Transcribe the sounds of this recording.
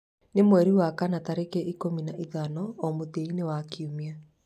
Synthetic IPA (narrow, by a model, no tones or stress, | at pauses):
nemwɛɾiwakanataɾekɛʔikominaʔiðanɔːmoteinewakiumia